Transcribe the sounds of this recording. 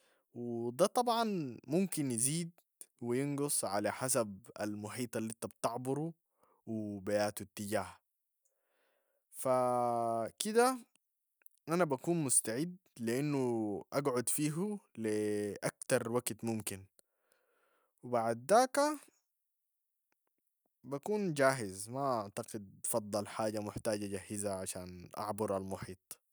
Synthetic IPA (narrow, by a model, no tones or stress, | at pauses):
wɪd̪aːt̪ˤɑbʕɑnmumkinjɪziːd̪ | wijɪnɡʊsˤʕa̰laħas̬aba̰lmʊħiːt̪ˤɑlːint̪abt̪ɑʕbʊɾu | wɪbajaːt̪ut̪ːɪɟaːha | fa | kid̪a | ʔanabakuːnmʊst̪aʕɪd̪liʔinːuʔaɡʕʊd̪fiːɦuliʔakt̪ɑɾˤwaɡt̪mʊmkin | wɪbaʕd̪ːaːka | bakuːnd͡ʒaːɦɪzmaʔaʕt̪aqɪd̪̚fɑd̪ˤːɑlħaːɟamʊħt̪aːɟaɟahːizaʕaʃaːnʔa̰ʕbʊɾalmʊħiːt̪ˤ